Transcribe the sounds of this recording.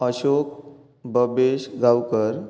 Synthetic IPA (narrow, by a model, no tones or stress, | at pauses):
əɕok | bəbeɕɡawkəɾ